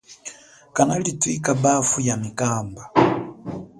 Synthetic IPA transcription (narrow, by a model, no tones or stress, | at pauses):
kanalitwikabafujamikamba